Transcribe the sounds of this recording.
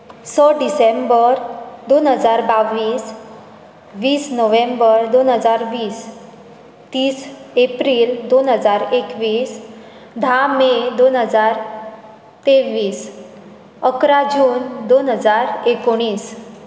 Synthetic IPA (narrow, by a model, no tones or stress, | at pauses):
səɖisẽmbəɾd̪onɦəd͡zaɾbaʋiːs | ʋiːsnoʋẽmbəɾd̪onɦəd͡zaɾʋiːs | t̪iːsepɾiːld̪onɦəd͡zaɾekʋiːs | d̪ʱamed̪onɦəd͡zaɾ | t̪eʋiːs | əkɾad͡ʑuːnd̪onɦəd͡zaɾekoɽ̃iːs